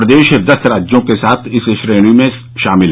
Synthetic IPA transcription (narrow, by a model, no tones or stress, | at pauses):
ɾəd̪eːʃd̪ɐst̪ɾaːd͡ʒjõkesaːt̪ʰɪsʃɾeːɽ̃imẽ | ʃaːmɪlɦ